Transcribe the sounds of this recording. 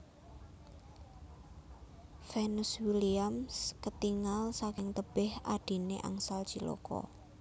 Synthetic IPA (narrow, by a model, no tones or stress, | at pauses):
fɛnuswiliamskət̪iŋalsakɪŋt̪əb̥ɪhaɖ̥i̤neʔa̰ŋsalt͡ʃilo̰kɔ̰